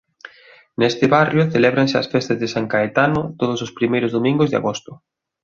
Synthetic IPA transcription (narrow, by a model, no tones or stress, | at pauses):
nest̪ɪβarjʊθelɛβɾansɪɐ̰sfɛst̪ɐzðɪsaŋkaet̪anʊt̪oð̞ʊsʊspɾimejɾʊzðomĩŋɡʊzðea̰ɣost̪ʊ